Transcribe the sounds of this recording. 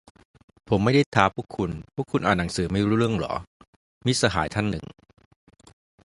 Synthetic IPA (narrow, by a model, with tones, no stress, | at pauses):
pʰo˩˦mːa˥˩jda˥˩jt̪ʰaː˦˥pʰuː˥˩əkʰːu˧npʰu˥əkʰːu˧nʔaː˨˩t̪nːa˩˦ŋsɯː˩˦ma˥˩jɾuː˦˥ɾɯ˥˩əŋlɔ̰ː˩˦ | mi˦˥sa˧ɦaː˩˦jt̪ʰa˥˩nːɯ̰˨˩ŋ